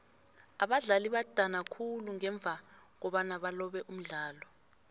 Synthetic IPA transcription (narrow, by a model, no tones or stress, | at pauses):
aɓaɮaliɓad̥ʱanakʰuluŋɛɱb̪vʱak̬ɔɓanaɓalɔɓɛʔum̩ɮaːlɔ